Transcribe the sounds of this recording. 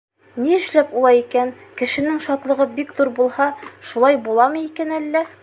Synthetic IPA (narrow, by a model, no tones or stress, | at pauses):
niɘ̆ʃlæpulˠɑjikænkɘ̆ʃɘ̆nɘŋʃɒt̪lˠɤ̆ʁɤbikðuɾbulˠhɑʃulˠɑjbulˠɑmɤikænælːæ